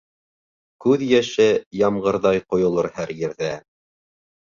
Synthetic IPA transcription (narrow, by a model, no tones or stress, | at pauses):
kʉðjæʃɘjɑmɢɤ̆ɾðɑjqŏjŏlˠɤɾhæɾjɘ̆ɾðæ